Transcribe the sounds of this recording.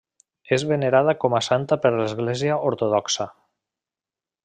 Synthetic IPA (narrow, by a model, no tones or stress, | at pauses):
ezβeneɾaðakɔmasant̪apəɾlezɣleziaʔoɾt̪oðɔksa